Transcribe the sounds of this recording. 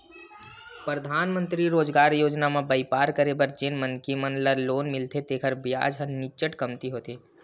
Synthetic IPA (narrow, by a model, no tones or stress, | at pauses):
pɾəd̪ʱaːnmə̃nt̪ɾiɾoːd͡ʒɡaːɾjoːd͡ʒnamẽbəɪpaːɾkəɾebəɾd͡ʒenmənkimənləɾloːnmɪlt̪ʰet̪eːkʰəɾbija̰ːd͡ʒɦənɪt͡ʃəʈkəmt̪iɦoːt̪eː